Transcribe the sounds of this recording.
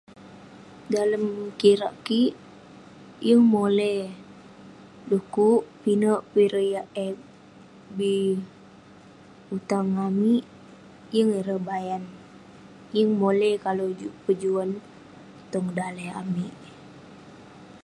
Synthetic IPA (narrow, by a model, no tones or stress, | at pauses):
daləmkiɾa̰ʔkiʔ | jəŋmolɛh | dukuʔpinəʔpiɾəjaʔɛ | bi | ut̪aŋamiʔ | jəŋiɾəbajan | jəŋmolɛhkalod͡ʒupəd͡ʒuan | t̪ɔŋdaləa̰miʔ